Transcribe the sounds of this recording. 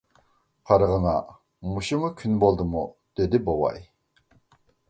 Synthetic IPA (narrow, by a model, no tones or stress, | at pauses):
qʰɑɾʁəŋɑ | muʃimukʲʰynbolˠd̪ɨmud̪̥ed̪ɪbowɑ̰j